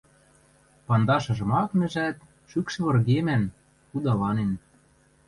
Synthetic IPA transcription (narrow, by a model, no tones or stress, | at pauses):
pɑnd̪ɑʃɤ̆ʒɤ̆mɑkmɘ̆ʒæt̪ | ʃykʃɘ̆βɤ̆rɣemæn | tud̪ɑlɑnen